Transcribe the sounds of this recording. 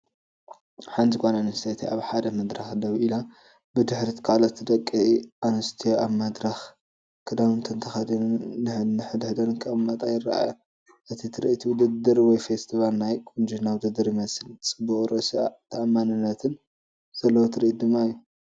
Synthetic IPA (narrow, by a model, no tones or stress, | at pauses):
ħant̪ikʰʷonanɨst̪ʰet̪ʰiaβħad̪ɐmɐd̪ɾɐxd̪ɐβila | bɨd̪ɨħɾit̪kʰalot̪ːd̪ɐkʼːiiʔanɨst̪ʰijoʔaβmɐd̪ɾɐx | kʰɐd̪amɨnt̪ʰɐnt̪ʰɐxɐd̪innɨħnɨħɨd̪ɨħd̪ɐnɨŋkʼɐmɐt̪ʼajɪra̰ʔa̰jo | ʔɨt̪ʰit̪ʰɨɾɨ̰ʔit̪ʰuwd̪ɨd̪ɨɾwɔjfest̪ʰiβalnajkʼund͡ʒinawd̪ɨd̪ɨɾjimɐsɨlt͡sʼɨbːukʼɾosat̪ʰɐʔamːanɨnːɐt̪ʰɨn | z̥ɐlːɐwot̪ʰɨɾiʔt̪d̪ɨmːaijːu